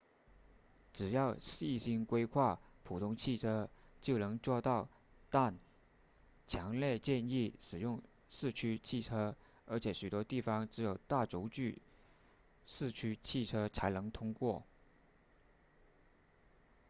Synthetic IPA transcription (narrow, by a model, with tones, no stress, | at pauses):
ʈ͡ʂɻ̩˨˩jɑ˥˩ʊ˥i˥˩ɕi˥ŋkwe˥ɪkʰwa˥˩pʰu˨˩t̪ʰʊ˥ŋt͡ɕʰi˥˩ʈ͡ʂʰɤ˥t͡ɕjo˥˩ʊnɤ˧˥ŋʈ͡ʂwɑ˥˧t̪ɑ˥˧ʊ | t̪a˥˩n | t͡ɕʰjɑ˧˥ŋljɛ˥˧t͡ɕjɛ˥˧ni˥˩ʂɻ̩˨˩jʊ˥˧ŋ | ʂɻ̩˥˩t͡ɕʰy˥t͡ɕʰi˥˩ʈ͡ʂʰɤ˥ | ə˞˧˥t͡ɕʰjɛ˨˩˦ɕy˨˩t̪wɔ˥t̪i˥˩fɑ˧˥ŋʈ͡ʂɻ̩˧˥jo˨˩ʊt̪a˥˩ʈ͡ʂo˧˥ʊt͡ɕy˥˩ | ʂɻ̩˥˩t͡ɕʰy˥t͡ɕʰi˥˩ʈ͡ʂʰɤ˥t͡sʰa˧˥ɪnɤ˧˥ŋt̪ʰʊ˥ŋkwɔ˥˩